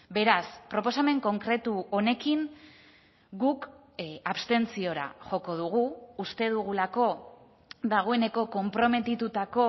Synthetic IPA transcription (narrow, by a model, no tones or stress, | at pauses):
be̞ɾaspɾo̞po̞same̞ŋko̞ŋkɾe̞t̪uo̞ne̞kiŋ | ɡuk | aβst̪e̞nt͡sio̞ɾa̰ʝo̞ko̞ð̞uɣ̞uːst̪e̞ð̞uɣulako̞ | d̪aɣ̞o̞e̞ne̞ko̞ko̞mpɾo̞me̞t̪it̪ut̪ako̞